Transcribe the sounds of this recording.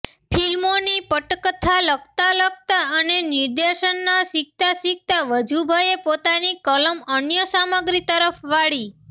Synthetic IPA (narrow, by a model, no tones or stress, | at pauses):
pʰilmonipəʈkt̪ʰaləkt̪alək̚t̪aənenɪɾd̪eʃənːasɪk̚t̪asik̚t̪aʋəd͡ʒʱubʱəjepot̪anikələmənjəsaməɡɾit̪əɾəpʰʋaɭi